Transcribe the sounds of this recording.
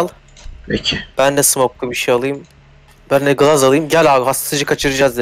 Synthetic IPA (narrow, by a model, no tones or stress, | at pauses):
lʲˠ | pecʰib̥ænːɛsɯmok̚lˠubiʃejalˠɯjɯm | bænd̪ɛɡɯlˠazalˠɯjɯmɟælʲaːbɦast̪t̪ɯd͡ʒɯkʰat͡ʃʰɯɾɯd͡ʒazd̪i